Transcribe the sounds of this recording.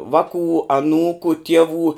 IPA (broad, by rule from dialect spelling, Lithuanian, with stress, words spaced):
ˈʋɑːkuː ɐˈnuːkʊ ˈtʲiɛʋuː